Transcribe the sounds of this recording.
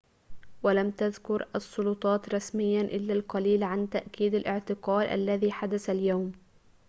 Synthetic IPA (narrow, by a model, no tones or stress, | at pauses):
walamt̪aðkʊɾʔɑsˤːʊlʊt̪ˤɑːt̪ɾˤɑsmɪjːanʔɪlːalqɑliːlʕant̪aʔkiːd̪alʔɪʕt̪ɪqɑːlʔa̰lːaðiːħad̪asaljawm